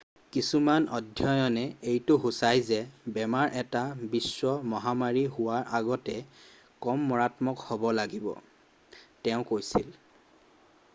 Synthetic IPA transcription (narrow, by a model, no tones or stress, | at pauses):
kisumanɔdʱjɔjɔnɛejtʊɦusajzɛbɛmaɹʔɛtabisːwɔmɔɦamaɹiɦʊwaɹaɡɔtɛ | kɔmːɔɹatmɔkhobɔlaɡibɔ̰ | tɛʊ̃kojsil